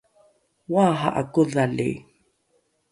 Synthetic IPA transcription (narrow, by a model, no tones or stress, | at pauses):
waɦa̰ʔakuðalḭ